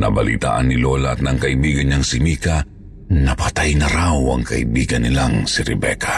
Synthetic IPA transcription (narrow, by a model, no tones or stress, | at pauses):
nɐ̰bɐlḭt̪a̰ːʔɐnːɪlo̞lɐɐt̪̚nɐŋkɐʔɪbiːɡɐnɐŋsɪmiːka | nɐpɐt̪ajnɐɾawɐ̰ŋkɐʔɪbiːɡɐnːɪlaŋsɪɾɛbɛ̰kʰḁ